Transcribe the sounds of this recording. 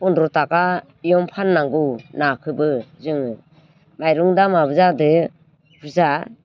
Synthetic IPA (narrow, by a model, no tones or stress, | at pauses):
pɔndɾɔtaka | ijɔmpʰanːaŋɡunakʰɯbɯzɯŋɯ | majɾuŋdamabɯzadɯ | b̥ʰɯza